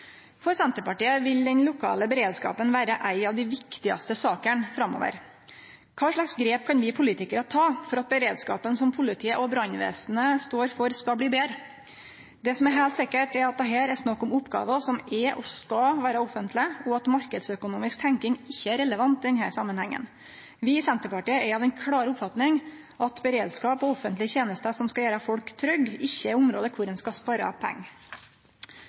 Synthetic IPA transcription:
fɔɾsɛnt̪əɾpɑʈiːəʋɪld̪ɛnlʊkʰɑ̰ːləbəɾeːd̪skɑ̰ːpənʋæːɾəʔæɪɑʋd̪ɪʋɪkt̪ɪɑ̰st̪əsɑːkəɳfɾɑmːo̰ːʋə̰ɾ | kʰɑːʂɭɑksɡɾeːp̚kʰɑnʋɪpʰʊliːt̪ɪkəɾət̪ʰɑːfɔɾɑt̪̚bəɾeːd̪skɑ̰ːpənsɔmpʰʊlɪt̪ʰiːəʔɔbɾɑnʋḛːsn̩əst̪oːɾfɔɾskɑbliːbeːɾ | d̪ɛsɔmæɾɦæɪlt̪sɪkːəʈɛɾɑt̪̚d̪ɛɦæːɾæsnɑkːɔmʊpːɡɑ̰ːʋəsɔmɛʔɔskɑʋæːɾəɔfənt̪lɪəɔɑt̪mɑɾkəd̪sœkʊnuːmɪsk̚t̪ʰæŋkɪŋɪçːəæɾɛləʋɑnt̪ɪd̪ɛnhæːɾsɑmːənhɛŋːə̰n | ʋɪsɛnt̪əɾpɑʈiːəɛɾɑʋɛnkʰɽɑːɾʊpfɑt̪nɪŋ | ʔɑt̪bɛɾeːd̪skɑːpɔɔfənt̪lɪçeːnəst̪əsɔmskɑjæːɾəfɔlkt̪ʰɾœɡɪçːəɪʊmɾoːd̪əkʰʊɾɛnskɑspɑɾɑ̰pʰɛ̰ŋːə

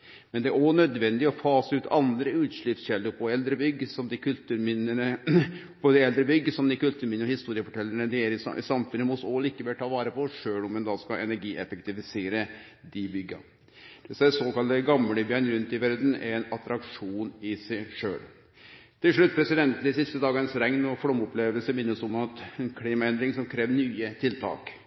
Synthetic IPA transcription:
mɛnd̪ɛæɾɔnœd̪ʋɛnd̪ɪɔfɑːsəʉːt̪ʰɑ̰nd̪ɾəʉːt̪ʂɭɪpsɕɛlːʊɾpʰɔɛld̪ɾəbʏɡːəsɔmd̪ɪkʉlt̪ʉːɾmɪnənə | pʰɔd̪ɛɛld̪ɾəbʏɡːəsɔmd̪ɪkʉlt̪ʉːɾmɪnəɔhɪst̪uːɾɪəfɔʈʰɛlːəɳəd̪ɛɛlɪssɑmfʉnːəmɔsɔliːkəʋɛlːt̪ʰɑːʋɑːɾəpʰɔʂøːlɔmɛnd̪ɑːskɑʔɛnæɾɡiːʔɛfɛkt̪ɪfɪseːɾə | d̪ɪbʏɡːɑ̰ | d̪̥ɛsɛsoːkɑlt̪əɡɑmləbjœnɾʉnt̪ɪʋæɾd̪n̩ɛ̰ɾɛnɑt̪ɾɑkʂuːnɪsɛɪʂø̰ːɭ | t̪ʰɪlʂɭʉt̪̚ːpʰɾɛsɪd̪ɛnt̪n̩d̪ɪsɪst̪əd̪ɑːɡɑsɾɛŋnɔfɔmɔpleːʋəlsəmɪnːəsɔmɑt̪nkʰɽiːmɑɛnd̪ɾɪŋsɔmkʰɾeːʋnyːət̪ʰɪlt̪ʰɑ̰ːk

